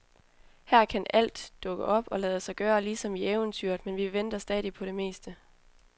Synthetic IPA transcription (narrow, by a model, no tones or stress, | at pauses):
hæɐ̰kʰænæl̰d̥ːɔ̽ɡ̥əʔɒ̽b̥ɒ̽lɛːð̞ˠəsɑ̈ɪɡ̥ɶːɐliːsɒ̽mieʊənt͡sʰyɐ̰d̥menʋiʋend̥ɐsd̥ɛːðˠipʰɒ̽ɾe̝me̝̰ːsd̥ə